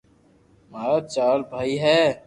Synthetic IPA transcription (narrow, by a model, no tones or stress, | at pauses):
maːɾat͡ʃaːlbʱaːiɦɛ